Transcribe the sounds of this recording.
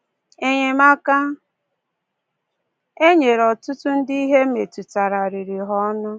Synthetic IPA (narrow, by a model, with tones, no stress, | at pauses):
e˦ɲe˨ma˦ka˦ | e˦ɲe˨ɾɔ˨tʊ˦tʊ˦n̩˦di˦i˦ɦe˦me˨tu˨ta˨ɾa˨ɾi˨ɾi˨ɦɔ˦nʊ˦